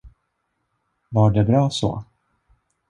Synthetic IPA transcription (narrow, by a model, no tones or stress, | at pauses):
vaɖɛbɾɑːsɔ̰